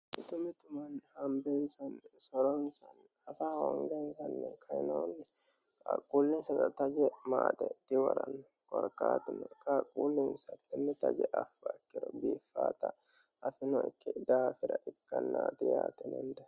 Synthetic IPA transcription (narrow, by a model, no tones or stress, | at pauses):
ʔɪt̪ʊmɪt̪ʊmɐnhɐmbɛnsɐnsɔɾɔnsɐnɐfaɔŋɡɛnsɐnːɛkʰɐjɪnɐwɔnːɛɐkʼuːlːɪnsɐt̪ɐt̪ɐɡɛmaːd̪ɛt̪ːɪwɔɾɐnːɔ | kʼɔɾkʼːaːt̪ɪnɔkɐkʼuːlːɛnsɐt̪ɛnːɛt̪ɐɡɛʔɐfːɐɪkːɪd̪ɔɡiːfːaːt̪ɐɐfɪnɔɪkːɪd̪aːfɪɾɐʔɪkːɐnːaːt̪ɪjaːt̪ɛnɛnd̪ɐ